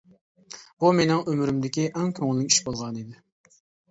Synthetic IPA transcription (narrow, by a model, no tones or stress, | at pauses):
b̥umenɪŋømɾɪmd̪ɪkʲiʔæŋkʲʰøŋɪlːɪkʲi̥ʃbolˠʁɑnid̪ɪ